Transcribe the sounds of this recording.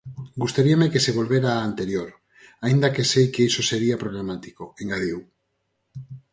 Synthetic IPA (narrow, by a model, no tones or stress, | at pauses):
ɡust̪aɾiamekeseβ̞o̞lβ̞eɾaːnt̪eɾjoɾ | aind̪akesejkeisoseɾiapɾoɣ̞lamat̪i̥koeŋɡaɾiw